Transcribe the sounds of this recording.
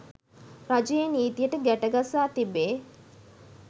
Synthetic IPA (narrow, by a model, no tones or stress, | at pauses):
rad͡ʒujeniːt̪ijəʈəɡæʈəɡasaːt̪ibːeː